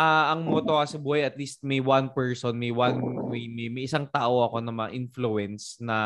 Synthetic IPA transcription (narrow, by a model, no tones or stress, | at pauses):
ʔaʔɐŋmot̪okɐsɐbuːhɐjɐt̪liːst̪̚mɐjwanpɛɹsonmɐjwanmɐjmmɐjʔɪsaŋt̪aːʔo̞ʔɐko̞nɐmɐɐ̰ʔɪnfluɛnsnɐ